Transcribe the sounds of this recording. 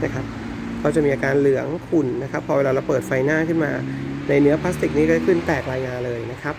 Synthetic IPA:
na˦˥˩kʰa˦˥p̚ | ɾa˧˩wt͡ɕa˨˩miː˧ʔaː˧kaː˧nlɯ˨˩˦ɐŋkʰu˨˩nna˦˥kʰa˦˥pʰːɔ˧e˧laː˧ɾa˧wpɤː˨˩t̪̚fa˧jnaː˥˩kʰɯ˥˩nmaː˧na˧jnɯ˦˥ɐpʰla˦˥s̬t̪i˨˩k̚niː˦˥kɔː˥˩a˨˩kʰɯ˥˩nt̪ɛː˨˩k̚ɾaː˧jŋaː˧nlɤː˧jna˦˥kʰa˦˥p̚

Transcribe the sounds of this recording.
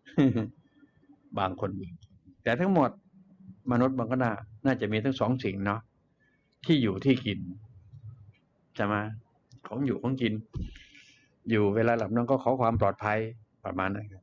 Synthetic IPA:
baː˧ŋkʰo˧nʔi˧˨˩ŋ | t̪ɛː˨˩t̪ʰa˦˥ŋmo˨˩t̪̚ | ma˧nu˦˥t̪̚ba˧ŋkʰa˥˩˨naː˧˥˩naː˥˩t͡ɕa˨˩ʔmiː˧t̪ʰa˦˥ŋsɔː˩˦ŋsi˨˩ŋnɔ˦˥ʔ | t̪ʰiː˥˩juː˨˩t̪ʰiː˥˩ki˧n | t͡ɕʰa˧˩ma˧ | kʰɔː˩˦ŋjuː˨˩kʰɔː˨˦ŋki˧n | juː˨˩weː˧laː˧la˨˩p̚nɔ˧˥˩ŋkɔː˥˩kʰɔː˩˦kʰwaː˧mplɔː˨˩t̪̚pʰa˧j | pɾa̰˧˩maː˧nːa˦˥˩kʰa˧˩

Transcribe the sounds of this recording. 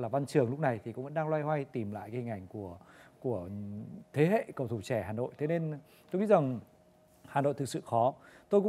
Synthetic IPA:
laː˨˩va˧nt͡ɕɨ˨˩əŋlʊ˦˥k͡p̚na˨˩jt̪ʰi˨˩kʊ̰˧˥ŋ͡mvə̰˧˥nɗaː˧lwaː˧jhwa˧jt̪i˨˩mla̰ː˧˨jka˨˦hï˨˩ŋ̟ʔa˨˩jŋ̟ku˧˩əku˧˩ət̪ʰe˨˦ɦḛ˧˨kə˨˩wt̪ʰu˧˩t͡ɕɛ˧˩haː˨˩no̰˧˨jt̪ʰe˨˦ne˧n | t̪o˧jŋḭ˧˥za˨˩ŋ | haː˨˩no̰˧˨t̪ɨ˨˩k̚sɨ̰˧˨xɔ˨˦t̪o˧jkʊ̰˧˥

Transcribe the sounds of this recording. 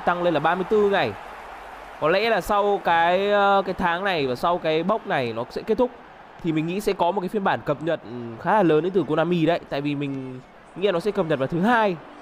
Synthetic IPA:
t̪a˧ŋle˧nlaː˨˩ɓaː˧mɨ˧əjt̪ɨ˧ŋa˨˩j | kɔ˨˦nlɛ̰˧˥laː˨˩sa˧wkaː˨˦jkaː˨˦jt̪ʰaː˨˦ŋna˨˩jvaː˨˩sa˧wkaː˨˦jɓə˦˥wk͡p̚na˨˩jnɔ˨˦sɛ̰˧˥ke˦˥t̚t̪ʰʊ˦˥k͡p̚ | t̪ʰi˨˩mï˨˩ŋ̟ŋḭ˧˥sɛ̰˧˥kɔ˨˦mo˨˩kaː˨˦fə˧nɓaː˧˩nkə˨˩p̚ɲə˨˩t̚xaː˨˦laː˨˩ləː˨˦nə˧˦t̪ɨ˨˩ko˧naː˧mi˧˩ɗə̰˧˥˨jt̪a̰ː˧˨jvi˨˩mï˨˩ŋ̟˧ | ḭ˧˥a˧˨nɔ˨˦sɛ̰˧˥kə˨˩p̚ɲə˨˩t̚vaː˨˩t̪ɨ˨˦ɦaː˧j

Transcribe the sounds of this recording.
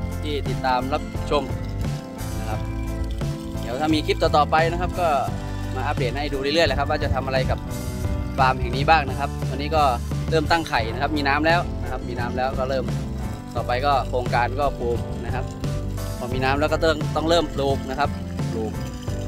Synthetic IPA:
t̪ʰiː˥˩t̪i˨˩t̪ːaː˧mla˦˥p̚t͡ɕʰo˧m | na˦˥kʰa˦˥p̚ | d̪iː˨˦˥wt̪ʰaː˥˩miː˧kʰi˦˥p̚t̪ɔː˨˩t̪ɔː˨˩pa˧jna˦˥kʰa˦˥p̚kɔː˥˩ | maː˧ʔaː˧p̚li˨˩ən̚ha˥˩jduː˧ɯ˥˩˨lɯ˥˩əjla˧˦˩kʰa˥p̚waː˥˩t͡ɕa˨˩t̪ʰa˧mʔa˧ɾa˧jka˨˩p̚ | paː˧mɦɛ˨˩ŋniː˦˥baː˥˩ŋna˦˥kʰa˦˥p̚wa˧nːiː˦˥˩kɔː˥˩ɾɤː˥˩mt̪a˥˩ŋkʰa˨˩jna˦˥kʰa˦˥p̚miː˧naː˦˥mlɛː˦˥wna˦˥kʰa˦˥p̚miː˧naː˦˥mlɛː˦˥wkɔː˥˩ɾɤː˥˩m | t̪ɔː˨˩pa˧jkɔː˥˩kʰoː˧ŋkaː˧nkɔː˥˩puː˧mna˦˥kʰa˦˥p̚pʰɔː˧˩miː˧naː˦˥mlɛː˦˥wkɔː˥˩t̪ːŋt̪ɔ˥˩ŋlɤː˥˩mluː˧mna˦˥kʰa˦˥p̚ | luː˧m

